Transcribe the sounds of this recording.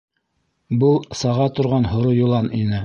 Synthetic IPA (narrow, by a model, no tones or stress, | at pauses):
bɤlˠsɑʁɑt̪ŏɾʁɑnhŏɾojŏlˠɑninɘ